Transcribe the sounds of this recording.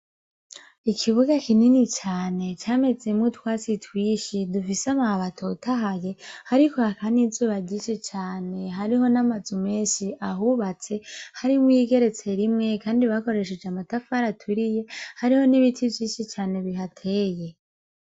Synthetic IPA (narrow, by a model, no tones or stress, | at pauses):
ikʰiβuɡakininit͡ʃaːne̞t͡ʃaːme̞d͡ze̞mŋutwaːt͡sitwiːʃidufisamahaβatʰotʰaɦaje̞haɾikoakanizuβaɟit͡ʃet͡ʃaːne̞ɦaɾiho̞namazume̞ːʃiʔaɦuβat͡se̞haɾimwiɡe̞ɾe̞t͡se̞ɾimŋe̞kaːndiβako̞ɾe̞ʃe̞d͡ʒamatafaɾatʰuɾije̞haɾiho̞niβitʰivjiːʃit͡ʃaːne̞βiɦatʰe̞ːje̞